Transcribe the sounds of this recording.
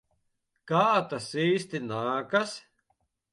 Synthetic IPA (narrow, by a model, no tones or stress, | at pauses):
kaːt̪asiːst̪inaːkas